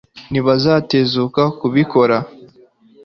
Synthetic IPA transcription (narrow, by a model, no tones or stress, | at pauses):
niβazaːte̞zukakuβiko̞ɾa